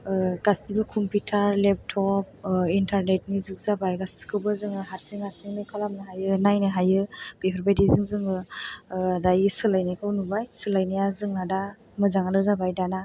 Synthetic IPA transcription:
ɡ̥asibɯkʰumpitʰaɾlep̚tʰɔp̚intʰaɾnet̚nizuk̚zabajɡasi̥kʰɯwbɯzɯŋɯɦaɾseŋhaɾseŋnɯkʰalamnɯɦajɯnajnɯɦajɯb̥epʰɔɾbajdizɯŋzɯŋɯ | adajɯsɯlajnakʰɯwnubajsɯlajnajazɯŋnada | mɯzaŋanɯzabajdana

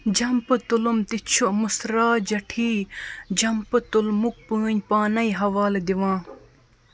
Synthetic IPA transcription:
d͡ʒɐmpɨt̪ulumt̪it͡ʃʰuʔmusɾaːd͡ʒɐʈʰiːd͡ʑɐmpɨt̪ulmuk̚puːnʲpaːnɐiɦɐwaːld̪iʋãː

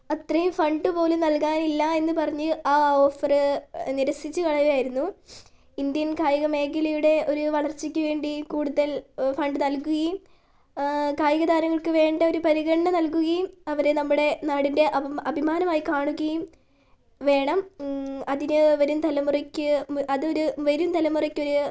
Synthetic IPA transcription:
ɐt̪rɐjumfɐɳɖɨpo̞ːlunɐlkaːnilːɐe̞nːɨpɐrɐɲːɨaːoːfɐrɨniɾɐsit͡ɕːɨkɐɭɐjʋijaːjiɾunːu | ind̪jɐnkaːjɐɣɐme̞ːɡɐlɐjuɽe̞o̞ɾuʋɐɭɐrt͡ɕːikʲːuʋe̞ːɳɖikuːɽuðɐlfɐɳɖɨnɐlkuɣɐjum | kaːjɐɣɐd̪aːɾɐŋːɐɭkɨʋe̞ːɳɖɐo̞ɾupɐɾiɣɐɽɐɳɐnɐlkuɣɐjumɐʋɐɾenɐmːuɽe̞naːɽinde̞ʔɐɐbʱimaːnɐmaːjikaːɳuɣɐjum | ʋe̞ːɳɐmɐðinɨʋɐɾumt̪ɐlɐmurɐkʲːɨʔɐðɨo̞ɾuʋɐɾumt̪ʰɐlɐmurɐkʲːo̞ɾu

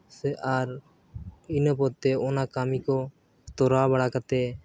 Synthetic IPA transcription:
sɛʔaɾ | inəpɔt̪ɛɔnakamikɔ | t̪ɔɾabaɽakat̪ɛ

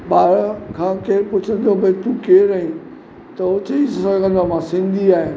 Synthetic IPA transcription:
ɓaːɾkʰãːkeːɾpʊt͡ɕʰə̃n̆d̪obɐit̪ũkeːɾəĩ | t̪ɐʊt͡ɕɐisɐɡʱə̃nd̪amãsɪ̃nd̪ʱiaːɦɪ

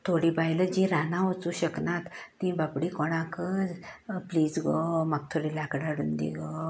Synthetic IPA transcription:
t̪ʰoɽibajləd͡ʑiɾanãʋot͡suːɕəknat̪ːĩbapɽikoɽ̃ãkəd͡zpliːd͡zɡomaɡ̚t̪ʰoɽilakɽaɽuːnd̪ḭɡo

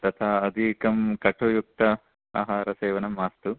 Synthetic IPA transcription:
t̪ɐt̪ʰaːɐd̪ʱikɐmkɐʈʰujuk̚t̪ɐ | a̰ːɦaːɾɐseːʋɐnɐmaːst̪u

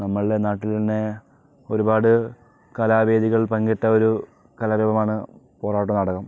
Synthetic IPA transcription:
nɐmːɐɭienaːʈːilt̪ɐnːe̞ | o̞ɾubaːɽɨ | kɐlaːbe̞ːd̪iɣɐɭpɐŋɡɐʈːɐo̞ɾu | kɐlɐːbebɐmaːɳɨ | po̞ːraːʈːɐmnɐɽɐkːɐm

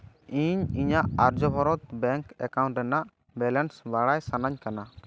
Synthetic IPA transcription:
iɲiɲaʔaɾd͡ʒɔbʱɔɾɔt̪̚bɛŋkɛkaw̃ɳʈɾɛnaʔ | bɛlɛnsbaɽajsanaɲkana

